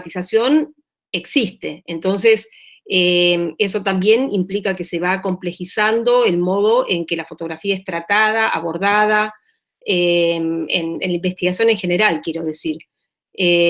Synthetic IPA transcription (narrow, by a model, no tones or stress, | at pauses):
t̪isasjo̞n | eksist̪e̞ːnt̪o̞ns̬es | ees̬o̞t̪ambje̞nimplikake̞se̞βako̞mple̞xisand̪o̞e̞lmo̞ð̞o̞ʔeŋke̞lafo̞t̪oɣɾafiaest̪ɾat̪að̞aʔa̰βo̞ɾðað̞a | emḛnḛnlaimbest̪iɣasjo̞ne̞ŋxe̞ne̞ɾalkje̞ɾo̞ðe̞siɾ | e